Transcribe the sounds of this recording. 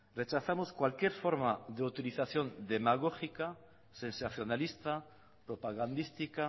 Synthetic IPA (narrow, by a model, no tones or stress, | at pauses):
ret͡ʃaθamoskwalkjeɾfoɾmaðeut̪iliθaθjond̪emaɣ̞oxika | sẽnsaθjonalist̪a | pɾopaɣand̪ist̪ika